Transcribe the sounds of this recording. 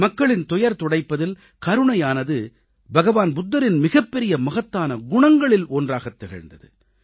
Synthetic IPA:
mɐkːɐɭɪnt̪ɔjɐɾt̪ɔɽɐɪpːɐðɪl | kɐɾɯɳɐjaːnɐðɯ | bɐɣɐʋaːnbʊd̪ːɐɾɪnmɪɣɐpːɛɾɪjɐmɐɣɐt̪ːaːnɐɡʊɳɐŋɡɐɭɪloːndraːɣɐt̪ːɛɣɐ̰ɻnd̪ɐðɯ

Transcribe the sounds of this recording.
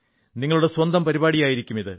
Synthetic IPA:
niŋːɐɭuɽe̞swɐnd̪ɐmpɐɾibaːɽijaːjiɾikʲːumiðɨ

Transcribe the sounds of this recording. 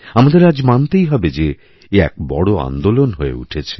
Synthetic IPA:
amad̪eɾad͡ʑmant̪ejɦɔbed͡ʑe | eɛ̰k̚bɔ̰ɽoa̰nd̪olonɦoḛṵʈʰet͡ɕʰe̥

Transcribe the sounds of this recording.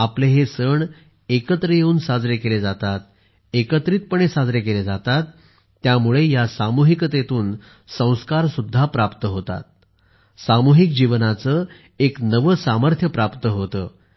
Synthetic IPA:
apleɦesəɳ | ekət̪ɾəjeuːnsad͡zɾjekeled͡zat̪at̪̚ | ekət̪ɾiːt̪̚pəɳ̃esad͡zɾekeled͡zat̪at̪ː | jamuɭejasamuɦikət̪et̪uːn | sə̃w̃skaɾsud̪ʱːapɾapt̪əɦot̪a̰t̪̚ | samuɦikd͡ʑiʋnat͡sə | eknəʋəsaməɾt̪ʰjəpɾapt̪əɦot̪ə̰ː

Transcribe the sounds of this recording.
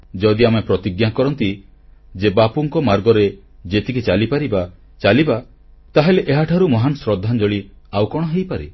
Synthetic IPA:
d͡ʒɔd̪iamepɾɔt̪iɡjakɔɾɔnt̪i | d͡ʒebapuŋkɔmaɾɡɔɾe | d͡ʒet̪ikʰit͡ʃalipaɾiba | t͡ʃaliba | t̪aɦeleʔeɦaʈʰaɾumɔɦanɔsɾɔd̪ʱːand͡ʒɔɭi | awkɔɽ̃ɔɦejpaɾe

